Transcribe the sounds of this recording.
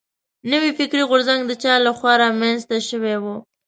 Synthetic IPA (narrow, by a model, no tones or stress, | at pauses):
nəwifɪkɾiɣʊɾzaŋɡd̪ət͡ʃɑlaxwɑɾɑmanzt̪aʃəwewu